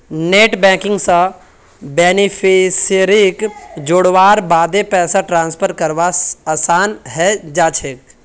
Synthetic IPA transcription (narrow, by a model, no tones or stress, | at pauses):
neːʈbɛ̃ːkɪ̃ŋɡsã | beːnipʰiseɾikd͡ʒoɽʋaːɾbaːd̪epɛːsaʈɾãːnspʰəɾkəɾʋaaːsaːnɦɛd͡ʒaːt͡ʃʰeːk